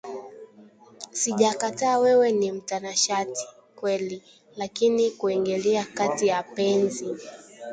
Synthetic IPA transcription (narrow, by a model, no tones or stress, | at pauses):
siʄakataːwɛwɛnim̩tanaʃati̥ | kwɛli | lakinikuɛŋɡɛlɛakatijapɛnzi